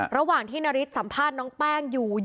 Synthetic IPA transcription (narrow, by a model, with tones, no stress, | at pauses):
ɾa˧waː˨˩ŋt̪ʰiː˥˩na˦˧˥ɾi˦˥t̪̚sa˩˦mpʰaː˥˩t̪̚nɔː˦˥ŋpɛː˥˩ŋjuː˨˩